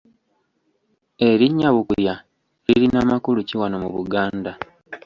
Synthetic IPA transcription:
e̞ɾiɲːaβukulja | liɾinamakuluciwanomuβuɡaːnda

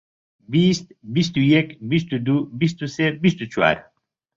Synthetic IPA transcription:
bist̪̚bist̪ujekbis̬t̪ud̪ubist̪usebist̪ut͡ʃwa̰ːɾ

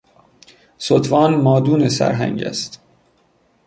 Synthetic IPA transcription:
sot̪ʰvɒːnmɒːd̪uːnesæ̰ɾɦæ̰ŋɟæ̰st̪

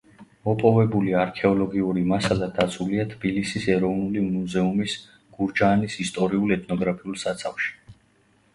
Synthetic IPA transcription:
mɔpʼɔvɛbuliaɾkʰɛɔlɔɡiuɾimasalad̪at̪sʰuliat̪ʰbilisisɛɾɔvnulimuzɛumis | ɡ̥uɾd͡ʒaːnisist̪ʼɔɾiulɛt̪ʰnɔɡɾapʰiulˠsat̪sʰafʃi̥

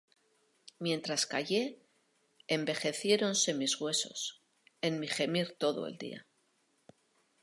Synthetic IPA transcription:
mjẽ̞nt̪ɾaska̰ʝe̞ː | mbe̞xe̞θje̞ɾo̞nse̞mizɣwe̞so̞̰s | e̞nmixe̞miɾt̪o̞ðo̰ḛld̪ḭa̰

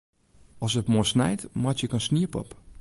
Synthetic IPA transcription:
ɔsətmosnɛ̰jtmatjəkənsniəpɔ̰p

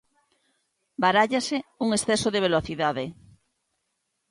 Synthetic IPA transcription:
baɾaʎaseuŋesθɛsoðeβ̞eloθiðaðe

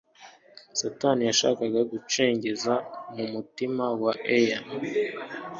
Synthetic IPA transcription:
satanijaʃa̰ːkaɡaɡut͡ʃe̞ːɲɟe̞zamumutimawaʔejan

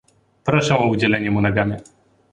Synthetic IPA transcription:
pɾɔʂɛ̃ɔud͡ʑɛlɛɲɛmunaɡamʲjɛ

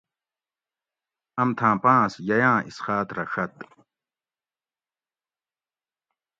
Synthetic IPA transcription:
ɐmt̪ʰãːpãːsjɐjãːisxaːt̪ɾɐʂɐt̪

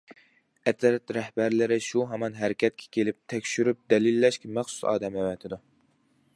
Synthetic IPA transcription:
ɛt̪ʰɾɛt̪ɾɛhbæɾlɪɾɪʃuɦɑmɑnɦæɾɪkʲɛt̪̚kʲʰɛ̥kʲelɪp̚t̪ʰɛkʲʃyɾyp̚d̪ɛlilːɛʃkʲɛmæχsu̥sɑ̰ːd̪ɛmɛwɛt̪ʰɪd̪u

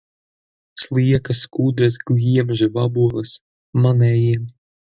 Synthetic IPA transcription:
slˠiɛkaskuːd̪ɾasɡlʲiɛmʒuvabuɔlˠɨs | manɛːjiɛm

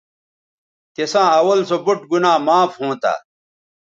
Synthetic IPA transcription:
t̪esãːɐwɐlsobuʈ̚ɡunaːmaːfhõːt̪a̰ː

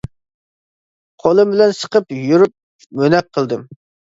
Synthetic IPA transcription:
qʰolˠɨmbɪlɛnsə̥qʰəpjyɾup̚ | mønɛk̚qʰːəlˠd̪ɨm

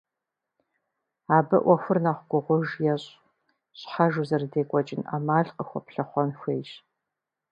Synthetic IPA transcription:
aːbɨʔʷɔxʷʊrnaːχʷɡʷʊʁʷʊʒjɛɕʼ | ɕʼħaʒuwzɐrdeːkʷʼɔt͡ʃʼɪna̰maːɮqʼəxʷɔpɬɐχʷɔnxʷeːɕ

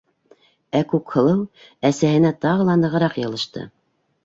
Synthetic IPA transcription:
ækʉkhɤ̆lˠɤw | æsæhɘ̆næt̪ɑʁɤ̆lˠɑnɤ̆ʁɤ̆ɾɑqjɑ̆lˠɤ̆ʃt̪ɤ̰

